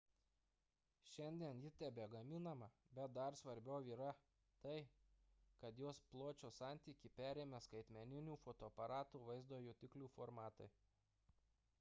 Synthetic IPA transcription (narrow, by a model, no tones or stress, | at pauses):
ʃʲɛnʲd̪ʲiɛnjɪt̪ʲæbʲeːɡɐmʲɪnɐmɐbʲɛt̪̚d̪ɐɾsʋɐɾʲbʲɛʊʋʲiːɾɐ | t̪ɐɪ | kɐt̪joːsplˠoːt͡ʃʲoːsɑˑnʲt̪ʲiːkʲipʲæːɾʲeːmʲɛskɐɪt̪ʲmʲɛnʲɪnʲuːfoːt̪oːɐpɐɾɑːt̪uːʋɐɪzd̪oːjuːt̪ʲɪklʲuːfoɾmɑːt̪ɐɪ